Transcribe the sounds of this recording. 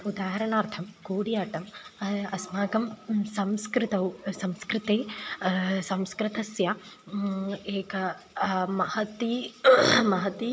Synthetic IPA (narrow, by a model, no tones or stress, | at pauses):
ud̪aːɦɐɾɐɳaːɾt̪ʰɐmkuːɽijaːʈɐmɐsmaːɡɐmsɐmskɾɪt̪ɐwsɐmskɾɪt̪eː | sɐmskɾit̪ɐsjɐ | eːkɐ | mɐhɐt̪i | mɐɦɐt̪i